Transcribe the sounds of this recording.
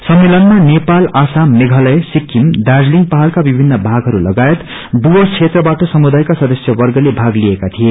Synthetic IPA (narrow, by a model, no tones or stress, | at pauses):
sʌmːelʌnmanepalasamːeɡʱʌlʌesikːimd̪ad͡zliŋɡpaɦalkabibʱinːʌbʱaɡɦʌɾulʌɡaet̪ | d̪ubʌt͡sʰet̪rʌbaʈʌsʌmud̪ajkasʌd̪ʌsjʌbʌrɡʌlebʱaɡliekat̪ʰie